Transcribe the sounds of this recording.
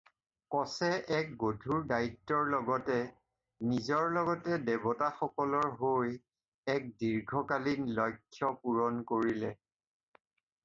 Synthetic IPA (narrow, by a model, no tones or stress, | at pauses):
kɔsɛʔɛk̚ɡodʱuɹdaitːɔɹlɔɡɔtɛ | nizɔɹlɔɡɔtɛdebɔtaxɔkɔlɔɹɦoj | ɛk̚diɹɡʱɔkalinlɔjkʰːjɔpuɹɔnkoɹilɛ